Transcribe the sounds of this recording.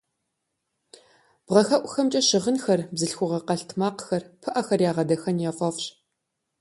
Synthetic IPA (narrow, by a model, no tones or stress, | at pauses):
b̥ʁɐxɐʔʷʼxɐmt͡ʃʼɐʃɪʁənxɐrbzɨɬxʷʊʁɐqɐɬtʰmaːqxɐrpʰɨʔɐxɐrjaːʁɐdɐxɐnjaːfʼɐfɕ